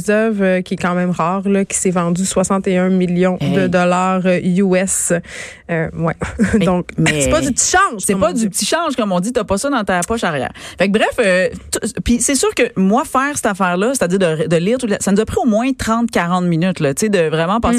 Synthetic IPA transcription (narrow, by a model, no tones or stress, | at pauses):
zœvøkʲiɛkɑ̃mɛ̃mʁɑːʁlɔkʲi̥sɛvɑ̃d̪yswasɑ̃t̪eœ̃miljɔ̃dd̪əd̪ɔlaːʁuɛs | øwɛd̪ɔ̃kmɛsɛpɔd̪yp̚t̪i̥ʃɑ̃ʒsɛpɔd̪ypt̪iʃɑ̃ːʒkɔmɔ̃d̪it̪yapɔsɔd̪ɑ̃t̪apɔʃaʁjæ̰ːʁfak̚bʁɛføt̪upisesyːʁkəmwafɛːʁsɛ̥t̪afɛːʁlʌse̥t̪ad͡ziːʁd̪əʁd̪əliːʁt̪ut̪lasanuzapʁiomwɛ̃t̪χɑ̃t̪̚kʲaʁɑ̃t̪minyt̪lʌt̪t͡sed̪əvʁɛmɑ̃pɑ̃s